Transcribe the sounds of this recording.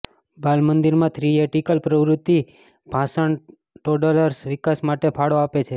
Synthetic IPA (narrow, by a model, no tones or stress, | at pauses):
bʱalmənd̪iɾmãt̪ʰɾieʈikəlpɾəʋɾʊt̪ːi | bʱãsəɳ | ʈoɖələɾsʋɪkasmaʈepʰaɽoapet͡ʃʰe